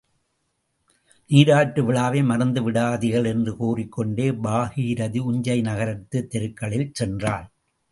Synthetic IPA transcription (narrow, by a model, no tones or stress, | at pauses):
niːɾaːʈːɯʋɪɭaːʋeːmɐɾɐnd̪ɯʋɪɽaːðɪɣɐɭɛndrɯkuːrɪkːɔɳɖeːbaːhiːɾɐðiʊɲd͡ʒɐɪnɐɣɐɾɐt̪ːɯt̪ːɛɾɯkːɐɭɪlt͡ʃɛndraːl